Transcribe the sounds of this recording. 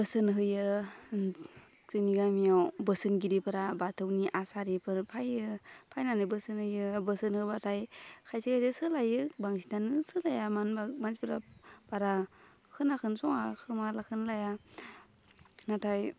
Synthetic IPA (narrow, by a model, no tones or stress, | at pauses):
bəsɯnɦɯjɯn | zɯniɡamijawbɯsɯnɡiɾipʰɯɾabatʰɯwniʔasaɾipʰɯɾpʰajɯpʰajnanɯbɯsɯnhɯjɯbɯsɯnhɯbatʰajkʰajsikajzesɯlajɯbaŋs̬idanɯsɯlajamanbamansipʰɯɾa̰baɾa | kʰɯnakʰɯnsɔŋakʰɯmalakʰɯnlaja | natʰaj